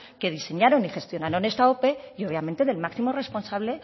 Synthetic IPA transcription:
ke̞ð̞ise̞ɲaɾo̞nixe̞st̪jonaɾone̞st̪ao̞pe̞io̞β̞jame̞nt̪e̞ðe̞lmaksimore̞sponsaβ̞le̞

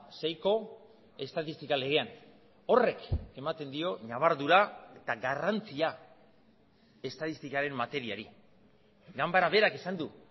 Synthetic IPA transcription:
sejko̞ | e̞st̪aðist̪ikale̞ɣe̞an | o̞re̞ke̞mat̪e̞nd̪io̞naβ̞aɾðuɾaet̪aɡarant͡sia | e̞st̪aðist̪ikaɾe̞mːat̪e̞ɾiaɾi | ɡambaɾaβe̞ɾakesand̪u

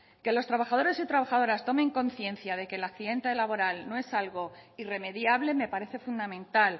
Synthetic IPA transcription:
ke̞lo̞st̪ɾaβaxað̞o̞ɾe̞sit̪ɾaβaxaðo̞ɾast̪o̞mẽ̞ŋko̞n̟θje̞nθjað̞e̞kelakθiðe̞nt̪e̞laβo̞ɾalno̞e̞salɣo̞ire̞me̞ðjaβle̞me̞paɾe̞θe̞fund̪amẽ̞nt̪al

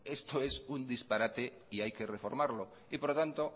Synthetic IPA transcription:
est̪oesund̪ispaɾat̪e | iajkerefoɾmaɾlo | ipoɾot̪ant̪o

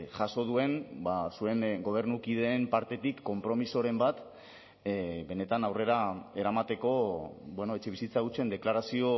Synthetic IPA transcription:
ʝaso̞ð̞ue̞nbasue̞ŋɡo̞β̞e̞ɾnukiðe̞ːmpaɾt̪e̞t̪ikːo̞mpɾo̞miso̞ɾe̞mbat̪ | be̞ne̞t̪anawre̞ɾae̞ɾamat̪e̞ko̞bweno̞et͡ʃe̞βisit͡saɣut͡ʃe̞nd̪e̞klaɾasio̞

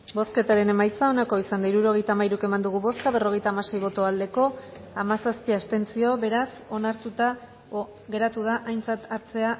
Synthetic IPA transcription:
bo̞ske̞t̪aɾe̞ne̞majt͡sao̞nako̞isand̪aiɾuɾo̞ɣ̞e̞jt̪aːmaiɾuke̞mand̪uɣ̞uβo̞skaβ̞e̞ro̞ɣ̞e̞jt̪aːmase̞jβo̞t̪o̞ald̪e̞ko̞ | amasaspiast̪e̞nt͡sio̞βe̞ɾaso̞naɾt̪ut̪a | ɣe̞ɾat̪uð̞aʔajnt͡sat̪aɾt͡se̞a

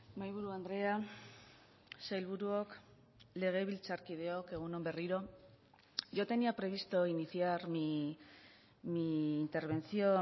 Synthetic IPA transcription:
majβ̞uɾuand̪ɾe̞a | sajlβuɾuok | le̞ɣ̞e̞βilt͡saɾkið̞e̞oke̞ɣ̞unombe̞riɾo̞ | ʝot̪e̞niapɾe̞β̞ist̪oiniθiaɾmi | miːnt̪e̞ɾβ̞e̞nt͡sio̞

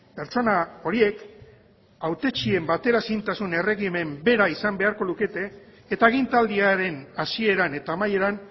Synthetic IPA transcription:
pe̞ɾt͡ʃo̞nao̞ɾie̞k | awt̪e̞t͡ʃie̞mbat̪e̞ɾasint̪asune̞re̞ɣime̞mbe̞ɾaisambe̞aɾko̞luke̞t̪e̞ː | t̪aeɣ̞int̪ald̪iaɾe̞nasie̞ɾane̞t̪aːmaje̞ɾan

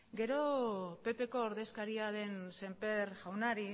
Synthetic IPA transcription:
ɡe̞ɾo̞pe̞pe̞ko̞ːɾðe̞skaɾiaðe̞nse̞mpe̞ɾʝawnaɾi

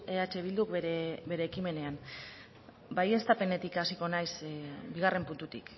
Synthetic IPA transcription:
e̞at͡ʃe̞β̞ild̪ukeɾebe̞ɾe̞ːkime̞ne̞am | baje̞st̪ape̞ne̞t̪ikasiko̞najsbiɣ̞are̞mpunt̪ut̪ḭk

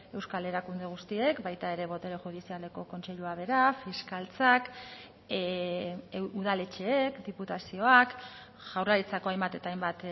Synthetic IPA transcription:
e̞wskale̞ɾakund̪e̞ɣ̞ust̪ie̞kbajt̪aeɾe̞βo̞t̪e̞ɾexuðisiale̞ko̞ko̞nt͡se̞ʎuaβe̞ɾafiskalt͡sak | uðale̞t͡ʃe̞ekd̪iput̪asio̞ak | ʝ̥awraɾit͡sako̞ajmbat̪e̞t̪ajmbat̪

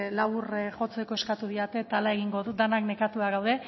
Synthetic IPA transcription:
laβurʝo̞t͡se̞ko̞e̞skat̪uð̞iat̪e̞t̪alae̞ɣ̞iŋɡo̞ðud̪anakne̞kat̪uaɣawðe̞

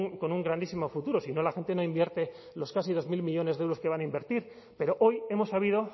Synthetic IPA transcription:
ŋko̞nuŋɡɾand̪isimo̞fut̪uɾo̞sino̞laxe̞nt̪e̞no̞imbje̞ɾt̪e̞ | lo̞skasiðo̞zmilmiʎo̞ne̞zðewɾo̞ske̞β̞anaimbe̞ɾt̪iɾ | pe̞ɾo̞ʔo̞je̞mo̞saβ̞iðo

